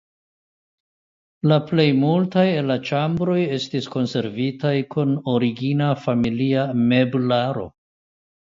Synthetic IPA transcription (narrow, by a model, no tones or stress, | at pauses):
laple̞jmultajelːat͡ʃambɾo̞je̞stisko̞nse̞ɾvitajkʰuno̞ɾiɡinafamiliame̞blaɾo̞̰